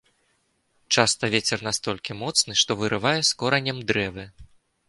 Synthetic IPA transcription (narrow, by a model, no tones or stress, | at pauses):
t͡ʂast̪ɐvʲet͡sʲɛrnast̪ɔlʲkʲimɔt̪snɨʂt̪ɔvɨɾɨvajɛskɔɾɐnʲɐmd̪ɾɛvɨ